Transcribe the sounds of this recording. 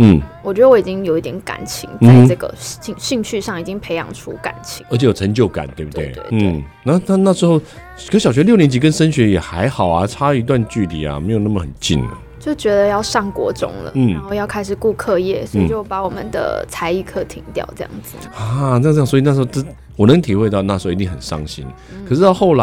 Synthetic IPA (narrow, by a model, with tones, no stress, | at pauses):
n̩˥˩wɔ˨t͡ɕɥɛ˧˥d̪ə˧wɔ˦˥i˨˩t͡ɕi˦˥ŋjo˨ʊi˥˩t̪jʲɛ˧˥nka̰˨˩nt͡ɕʰḭ˧˥ŋt͡sa˥ɪ˥ʈ͡ʂɤ˥˩ɡə̰˩i˥˧˩ŋɕi˥˧ŋɕʰy˥˧ʂɑ˥˩ŋi˨˩t͡ɕi˥ŋpʰe˧˥ɪjɑ̰˧˩ŋʈ͡ʂʰṵ˥ka̰˨˩˦nt͡ɕʰi̥˧˦ŋə˧˥t͡ɕʰjo˨˩ə˧˥ŋt͡ɕjo˥˩ʊka̰˨˩nt̪we˥˩bu˧t̪ḛ˥˧˩ḛ˥˧˩n̩˥˧ | na˥˩na˥˧na˥˩ʂɻ̩˧˥xo˥˩ʊ | kʰə˧˥ɕɑ˨ʊɕɥɛ˧˥ljo˥˩njɛ˧˥nt͡ɕi˧˥k̬ə˦nʂə˥nɕɥɛ˧˥jɛ˨˩xa˧˥ɪxɑ˨˩ʊa˨˩ʈ͡ʂʰa˥i˧˥t̪̬wa˥˧nt͡ɕy˥˩t̪ʰḭ˨˩a̰˩me˧˥ɪjna˥˩mə˨˩xə˨˩nt͡ɕḭ˥˨nə̰˩t͡ɕjo˥˩t͡ɕɥɛ˧˥d̪ə˧jɑ˥˧ʊʂɑ˥˩ŋkwɔ̰˧˥ʈ͡ʂʊ̰˥ŋlə̰˨n̩˥˩˦xo˥˧ʊjɑ˥˩ʊkʰa˥ɪʂɻ̩˨˩ku˥˧kʰɤ˥˧jɛ˥˩swɔ˧˥˨t͡ɕjo˥˩ʊpa˧˥wɔ˨˩mə̰˨˦nd̪ə̰˩t͡sʰa˧˥ɪi˥˩kʰɤ˥˩t̪ʰi˧˥ŋt̪jɑ̰˥˩ʊʈ͡ʂɤ˥˧jɑ̰˥˩ŋd͡zɹ̩˩a˥˩ə˥˧˥swna˥˩ʂɻxo˥˧ʈ͡ʂə˥ | wɔ˨˩nə˧˥ŋt̪ʰi˨˩xwe˧t̪ɑ˥˧ʊna˥˩ʂɻ̩˧˥o˥˧˨t̪i˥˩ŋxə˨˩nʂɑ̰˥ŋɕḭ˥n | kʰə˨˩ʂɻ̩˥˧t̪ɑ˥˧xo˥˩ʊla˧˦